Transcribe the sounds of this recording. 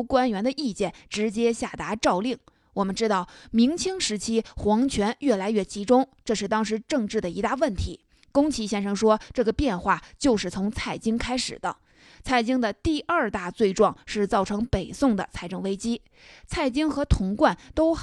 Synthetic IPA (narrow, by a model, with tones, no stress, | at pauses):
kwa˥nɥɛ˧˥nd̪ə˧ʔi˥˧t͡ɕjɛ˥˩nʈ͡ʂɻ̩˧˥t͡ɕjɛ˥ɕja˥˩t̪a˧˥ʈ͡ʂɑ˥˧ʊli˥˩ŋ | wɔ˨˩mə˦nʈ͡ʂɻ̩˥t̪ɑ˥˩ʊmi˧˥ŋt͡ɕʰi˥ŋʂɻ̩˧˥t͡ɕʰi˥xwɑ˧˥ŋt͡ɕʰɥɛ˧˥njɥɛ˥˩la˧˥ɪɥɛ˥˩t͡ɕi˧˥ʈ͡ʂʊ˥ŋʈ͡ʂɤ˥˧ʂɻ̩˥˩t̪ɑ˥ŋʂ̬ɻ̩˧˥ʈ͡ʂɤ˥˧ŋʈ͡ʂɻ̩˥˩d̪ə˩i˧˥t̪a˥˧wə˥˩nt̪ʰi˧˥ | kʊ˥ŋt͡ɕʰi˧˥ɕjɛ˥nʂɤ˧˥ŋʂwɔ˥ʈ͡ʂɤ˥˩ɡə˩pjɛ˥˧nxwa˥˩t͡ɕjo˥˧ʊʂɻ̩˥˩t͡sʰʊ˧˥ŋt͡sʰa˥˩ɪt͡ɕi˥ŋkʰa˥ɪʂɻ̩˨˩d̪ə̰˦ | t͡sʰa˥˩ɪt͡ɕi˥ŋd̪ə˨t̪i˥˧ʔɐ˞˥˧t̪a˥˧t͡swe˥˧ɪʈ͡ʂwɑ˥˧ŋʂɻ̩˥˧t͡sɑ˥˩ʊʈ͡ʂʰɤ˧˥ŋpe˨˩ɪsʊ˥˩ŋd̪ə̰˩t͡sʰa˥˧ɪʈ͡ʂɤ˥˩ŋwe˥ɪt͡ɕi˥ | t͡sʰa˥˩ɪt͡ɕi˥ŋxɤ˧˥t̪ʰʊ˧˥ŋkwa˥˩nt̪o˥ʊ